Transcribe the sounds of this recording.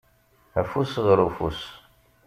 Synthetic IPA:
æfusʁəɾufṵs

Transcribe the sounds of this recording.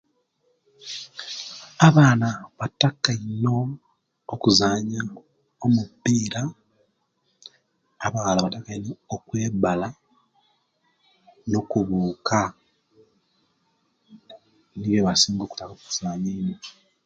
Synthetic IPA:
aβaːnaβatakaino̞ː | kuzaːɲa | omupːiːɾa | βaalaβatakːainookwe̞ːbala | no̞kuβuːkʰa | niβjeβasiːŋɡo̞ːku̥takoːku̥z̥aːɲeino

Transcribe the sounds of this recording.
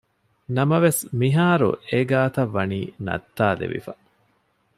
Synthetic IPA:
nɐmɐʋesmiɦaːɾṵeɡaːt̪ɐʋːɐniːnɐ̰t̪ːaːlḛʋḭfɐ

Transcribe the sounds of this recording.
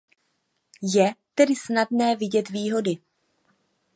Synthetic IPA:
jɛt̪ɛdɪsnadnɛːvɪɟɛt̪viːɦo̞dɪ

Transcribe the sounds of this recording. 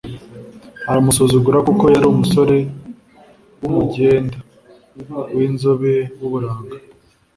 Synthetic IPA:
aɾamusozuɡuɾakuko̞jaɾiumuso̞ɾe̞ | wumuɟe̞ːnda | wiːnzoβe̞wuβuɾaːɡa

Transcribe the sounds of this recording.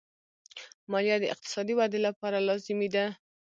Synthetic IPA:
mɑljad̪əɪ̰q̚t̪ɪ̥sɑd̪iwad̪elapɑɾalɑzɪmed̪a

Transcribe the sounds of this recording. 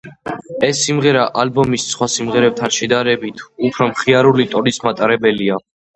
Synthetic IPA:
ɛsːimʁɛɾaʔalbɔmissχwasimʁɛɾɛp̚t̪ʰanʃɛd̪aɾɛbit̪ʰupʰɾɔmχiaɾulit̪ʼɔnismat̪ʼaɾɛbɛlia

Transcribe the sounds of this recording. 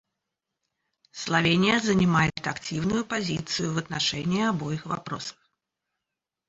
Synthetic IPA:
slˠavʲenʲijɐzɐnʲimajɛt̪akt͡sʲiwnʊjupazʲit̪sɨjuvɐt̪̚naʂɛnʲiːabɔjixva̰pɾɔ̰sə̥x

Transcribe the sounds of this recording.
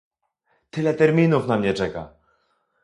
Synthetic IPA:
t̪ɘlɛt̪ɛɾmʲinufnamɲɛt͡ʂɛka̰

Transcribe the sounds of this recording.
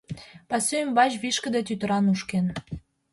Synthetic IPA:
pɑsʲømβɑʑβiʃkə̆d̪et̪yt̪əɾɑnuʃken

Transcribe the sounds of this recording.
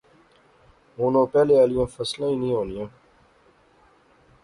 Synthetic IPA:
ɦoːnõːpɛːleːəlijãːfəslãːĩːnĩːɦoːlijãː

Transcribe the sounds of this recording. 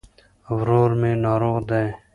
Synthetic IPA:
ʋɾoːɾmẽːnɑːɾoːqd̪eː

